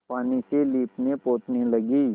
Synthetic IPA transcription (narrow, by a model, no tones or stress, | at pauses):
paːniseliːpnepoːt̪nelɐɡiː